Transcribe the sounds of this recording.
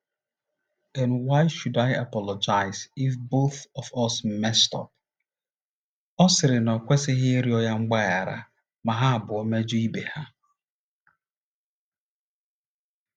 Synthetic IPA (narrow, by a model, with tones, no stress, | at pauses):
ɛ˨nwa˦ɪʃu˨da˨ja˨pɔ˨lɔ˨d͡ʒa˨ɪzi˨fbo˦θɔ˨vɔ˦sm̩˦mɛ˦stɔ̰˨p̚ | ɔ˦sɪ˨ɾɪ˨nɔ˨kʷe˦sɪ˦ɦɪ˦e˦ɾi˦ɔ˦ja˦ŋ͡m̩˦ɡ͡ba˦ja˨ɾa̰˨ | ma˨ɦa˦a˨bʊ˨o˦me˦d͡ʒu˦i˦be˨ha˦